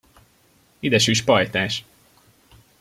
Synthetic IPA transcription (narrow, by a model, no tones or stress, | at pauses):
id̪ɛʃyːʃpɒjt̪aːʃ